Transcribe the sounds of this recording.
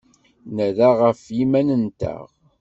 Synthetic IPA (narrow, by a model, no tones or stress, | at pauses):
næðaʁəfjimænənt̪æ̰ʁ